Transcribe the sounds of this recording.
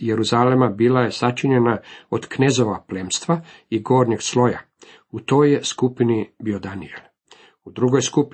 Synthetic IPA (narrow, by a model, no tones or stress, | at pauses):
jeɾuzalemabiːlaje̞sat͡ʃiɲe̞naod̪knezoʋaplemst̪ʋa | iɡo̞ːɾɲeɡslˠo̞ja | ut̪o̞ːjeskupinibiod̪aniel | ud̪ɾuɡo̞jskup